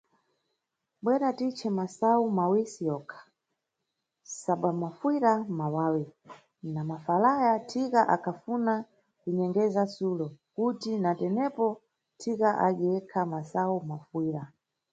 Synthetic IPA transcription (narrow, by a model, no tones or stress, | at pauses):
ɓwɛɾatit͡ʃʰɛmasaumawisijɔkʰḁ | saɓwamafwiɾamawaːwi | namafalajatʰikaʔakʰafuna | kuɲɛŋɡɛzasulɔkutinatɛnɛpɔ | tʰikaʔaɗiɛkʰamasaumafwiːɾa